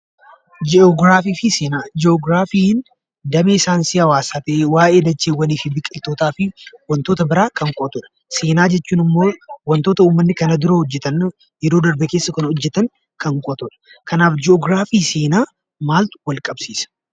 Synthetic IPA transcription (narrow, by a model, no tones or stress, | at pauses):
d͡ʒɛɔɡɾaːfiːfɪseːnaːd͡ʒɛɔɡɾaːfiːn | d̪ɐmeːɪsaːnsɪɐwaːsaːt̪ɐʔeːwaːʔe̞ːd̪ɐt͡ʃːeːwːɐniːfɪbɪkʼɪlt̪o̞ːt̪aːfɪwɐnt̪oːt̪ɐbɪɾaːkɐŋkʼɔt̪ɔᶑɐ̥ | seːnaːd͡ʒɛt͡ʃːuːnɪmːo̞ːwɐnt̪o̞ːt̪ɐuːmːɐnːɪkɐnɐd̪ɪɾoːhɔd͡ʒːɛt̪ɐn | jɛɾo̞ːd̪ɐɾbɛke̞ːsːɐkɐnhɔd͡ʒːɛt̪ɐŋ | kɐŋkʼɔt̪ɔᶑɐ̥ | kʰɐnaːfd͡ʒɪɔɡɾaːfiːseːnaː | maːlt̪ʊ̥wɐlkʼɐbsiːsɐ̥